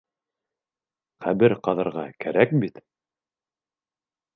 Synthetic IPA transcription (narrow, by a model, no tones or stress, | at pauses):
χæbɘɾqɑðɤ̆ɾʁɑkæɾækbit̪